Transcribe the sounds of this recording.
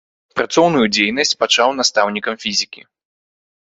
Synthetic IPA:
pɾat̪sɔwnujud͡zʲejnɐsʲt͡sʲpat͡ʂawn̪ast̪awnʲikɐmfʲizʲikʲḭ

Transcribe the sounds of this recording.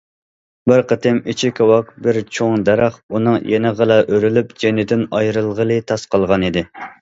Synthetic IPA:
bɪɾqʰət̪ɪmit͡ʃʰikʰʲɑwɑk̚bɪɾt͡ʃʰoŋd̪æɾæχunɨŋjenɨʁəlˠɑʔøɾylyp̚d͡ʒenɪd̪ɪnɑjɾɨlˠʁəlˠɨt̪ʰɑsqɑlˠʁɑnid̪ɪ

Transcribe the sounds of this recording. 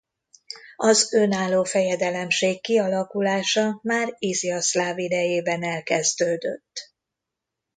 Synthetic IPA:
ɒzønaːlːoːfɛjɛd̪ɛlɛmʃeːkːiɒlɒkulaːʃɒmaːriziɒslaːvid̪ɛjeːbɛnɛlkɛzd̪øːd̪ø̰t̪ː

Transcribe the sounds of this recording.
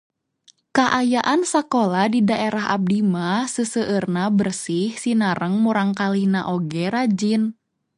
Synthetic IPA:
kaʔajaʔansakoladidaʔeɾaɦa̰b̚dimasəsəʔərnabərsihsinaɾəŋmuɾaŋkalinaʔɔɡɛɾad͡ʒin

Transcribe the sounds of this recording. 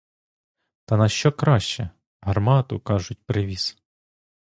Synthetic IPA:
t̪ɐnɐʃt͡ʃɔkɾɑʃt͡ʃɛ | ɦɐrmɑt̪ʊkɑʒʊt̚ʲpɾɪʋʲis

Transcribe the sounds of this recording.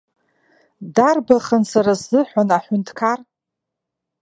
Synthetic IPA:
darbaχənsaɾazzɨħʷanaħʷʏntʰkʰar

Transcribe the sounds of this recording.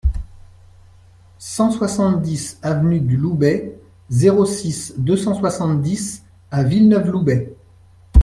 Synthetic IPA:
sɑ̃swasɑ̃t̪d̪isavnyd̪ylubɛ | zeʁosisd̪øsɑ̃swasɑ̃t̪d̪is | avilnœflubɛ

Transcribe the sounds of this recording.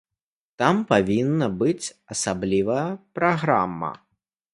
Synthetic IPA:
t̪ampavʲinːɐbɨt͡sʲ | ɐsablʲivɐjɐpɾaɣɾa̰mːɐ̰

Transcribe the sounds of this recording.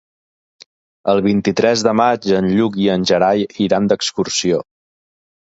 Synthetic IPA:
əlˠβint̪it̪ɾɛzðəmad͡ʒənʎuk̬iənʲʒəɾajiɾand̪əkskursio

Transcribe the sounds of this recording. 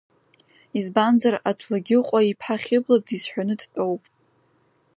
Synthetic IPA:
izbanzaratʰlaɡʲɪqʷʼaipʰħaχʲɪbladisħʷᶣanɨdtʼowpʼ

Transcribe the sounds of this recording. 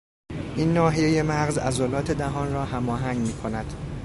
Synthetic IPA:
ʔiːnːɒːɦijeje̞mæɣzæ̰zolɒːt̪ʰe̞d̪æɦɒːnrɒːhæmɒːɦæŋɡmiːkʰo̞næd̪̥

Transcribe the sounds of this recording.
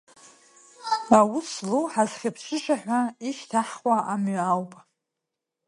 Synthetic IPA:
awʊsloħazχʲapʰʃʷɨʃʷʰʼaħʷᶣaiʃtʰaħχwaʔamɥawpʼ

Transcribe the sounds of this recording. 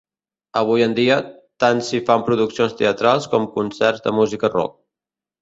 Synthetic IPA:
əβ̞ujənd̪iə | t̪ansifampɾuðuksionst̪eət̪ɾalˠskɔmkunsɛrzd̪ə̰muzikərɔ̰k̚

